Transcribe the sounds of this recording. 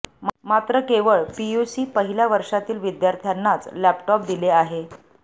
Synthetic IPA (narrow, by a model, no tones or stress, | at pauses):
mat̪ɾəkeʋəɭpiusiːpəɦiljaʋəɾʂat̪iːlʋid̪jaɾt̪ʰjanːat͡slæpʈɔp̚d̪ileaɦe